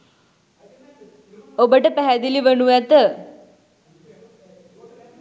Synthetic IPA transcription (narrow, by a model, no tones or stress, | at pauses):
obəʈəpæɦæd̪iliʋənuæt̪ə